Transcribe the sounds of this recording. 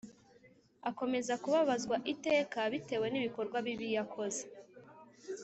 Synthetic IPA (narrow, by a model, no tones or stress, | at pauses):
ako̞me̞zakuβaβazɡwaʔite̞ːkaβite̞we̞niβiko̞ɾɡwaβiβijakʰo̞ze̞